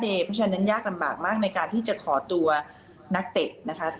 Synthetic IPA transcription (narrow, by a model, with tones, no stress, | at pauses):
deː˧pʰaː˥t͡ɕa˦˥nːa˦˥njaː˥˩k̚la˧mba̰ː˨˩k̚maː˥˩k̚na˧jkaː˧nt̪ʰiː˥˩t͡ɕa˨˩kʰɔː˩˦t̪u˧ɐ | na˦˥k̚t̪e˨˩t̚na˦˥kʰa˦˥